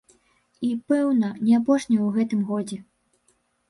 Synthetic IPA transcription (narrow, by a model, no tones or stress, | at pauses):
ipɛwnɐnʲɛap̬ɔʂnʲɐjwɣɛt̪ɨmɣɔd͡zʲɛ